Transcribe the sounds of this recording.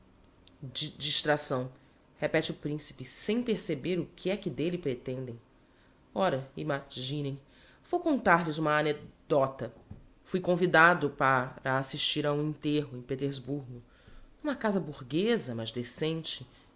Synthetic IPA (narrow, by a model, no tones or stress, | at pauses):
d͡ʒid͡ʒiʃt̪ɾasɐ̃w̃ | hepɛt͡ʃɪʊpɾĩsi̥pɪsẽj̃peɾsebeɾʊkʰɪɛkɪd̪elɪpɾet̪ẽnd̪ẽj̃ | ɔɾɐḭmaʒĩnẽj̃ | v̥owkõnt̪aɾlɪzũmɐːned̪̥ɔt̪ɐfujkõvid̪ad̪ʊpaɾɐasiʃt͡ʃiɾaũĩnt̪eɦʊẽj̃pet̪eɾzbuɾɡʊ | ũmɐkazɐbuɾɡezɐmɐzd̪esẽnt͡ʃɪ